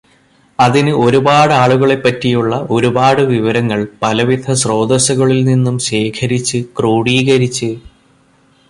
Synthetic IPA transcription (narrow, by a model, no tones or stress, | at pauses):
ɐðinɨo̞ɾubaːɽɨaːɭuɣɐɭe̞pːɐtːijuɭːɐo̞ɾubaːɽɨʋiʋɐɾɐŋːɐɭpɐlɐʋid̪ʱɐsro̞ːd̪ɐɕɐɣɐɭilninːumɕe̞ːkʰɐɾit͡ɕːɨkroːɽiːɣɐɾit͡ɕːɨ